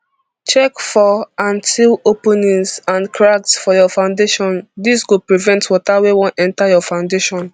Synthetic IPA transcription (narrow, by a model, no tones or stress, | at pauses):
t͡ʃɛkfɔãntʰilopũnĩŋsãnkʰɹaksfɔjɔfãʊ̃ndeʃɔ̃ndisɡopɹivɛ̃ntwɔtawewɔ̃nɛ̃ntajɔfãʊ̃ndeʃɔ̃n